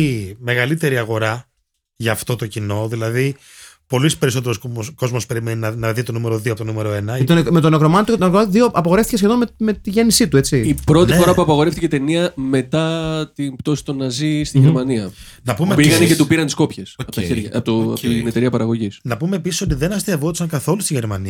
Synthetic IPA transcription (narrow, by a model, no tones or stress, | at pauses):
ime̞ɣɐlit̪e̞ɾiɐɣo̞ɾɐ | ʝɐːft̪o̞t̪o̞cino̞ðilɐði | po̞lispe̞ɾiso̞t̪̬eɾosko̞zmo̞spe̞ɾimeninɐnɐðit̪onumeɾo̞ðioɐpot̪onume̞ɾoe̞nɐet̪ome̞t̪o̞nekɾomɐnot̪ut̪kðioʔɐpɐɣe̞fθices̬çe̞ðo̞nmemet̪iʝe̞nisit̪ue̞t͡siipɾo̞t̪ifo̞ɾɐpuɐpɐɣo̞ɾe̞ft̪icet̪e̞niɐme̞t̪ɐt̪impt̪o̞si̥t̪onɐzist̪iʝemɐniɐ | nɐpumepiɣɐnecet̪upiɾɐnt̪isko̞pçesɐpot̪ɐ̰eɾʝɐ̰pot̪o̰net̪e̞ɾiɐpɐɾɐɣo̞ʝisnɐpume̞ːpisiso̞t̪̬iðenɐst̪iɐvot̪i̥sɐŋkɐθo̞lust̪iʝe̞ɾmɐniɐ